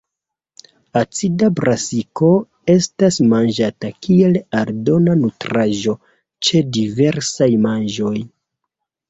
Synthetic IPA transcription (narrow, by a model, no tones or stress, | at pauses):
at͡sidabɾasiko̞ | e̞stasmand͡ʒatakie̞laɾdo̞nanutɾaʒo̞ | t͡ʃe̞dive̞ɾsajmand͡ʒo̞j